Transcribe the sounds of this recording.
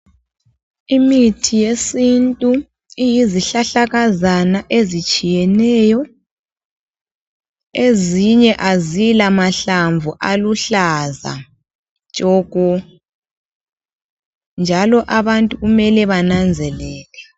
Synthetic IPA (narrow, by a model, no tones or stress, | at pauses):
imitʰijesintʼu | ijiziɬaɬaɣazanaʔezit͡ʃʼijɛnɛjɔ | eziɲɛʔazilamaɬaɱvuʔaluɬaza̰ | t͡ʃʼɔːɣɔ | nd͡ʒʱalɔʔaβantʼuɣumɛlɛβanand͡zʱɛlɛːlɛ